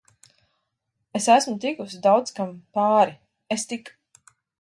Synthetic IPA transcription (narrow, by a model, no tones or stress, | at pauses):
esæsmut̪ikusid̪awd̪skampaːɾi | est̪ik